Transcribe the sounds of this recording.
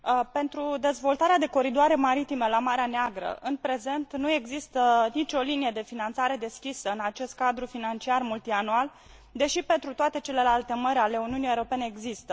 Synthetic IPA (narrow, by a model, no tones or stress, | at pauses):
pe̞nt̪ɾud̪e̞zvo̞lt̪aɾead̪e̞ko̞ɾid̪oaɾe̞maɾit̪ime̞lamaɾeaneaɡɾə̰ʔɨnpɾe̞ze̞nt̪nue̞ɡzist̪ənit͡ʃo̞linijed̪e̞finant̪saɾe̞d̪e̞skʲisəɨnat͡ʃe̞st̪̚kad̪ɾufinant͡ʃiarmult̪ianual | d̪e̞ʃipe̞nt̪ɾut̪oat̪e̞t͡ʃe̞le̞lalt̪e̞məɾʲale̞uniunijewɾo̞pe̞neeɡzist̪ə